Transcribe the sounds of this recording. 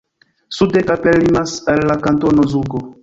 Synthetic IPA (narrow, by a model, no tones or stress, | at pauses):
sudekapelimasalːakantonozuɡo